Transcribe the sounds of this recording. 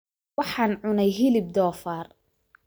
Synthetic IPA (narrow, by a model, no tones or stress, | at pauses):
wɑħɑːnʕʊnɛjɦɪlɪb̚d̪ɔːfaːr